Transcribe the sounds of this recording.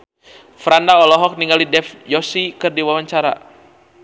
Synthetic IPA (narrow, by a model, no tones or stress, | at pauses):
fɾandaɔlɔɦɔk̚niŋɡalidɛfjɔsikərdiwawaɲt͡ʃaɾa̰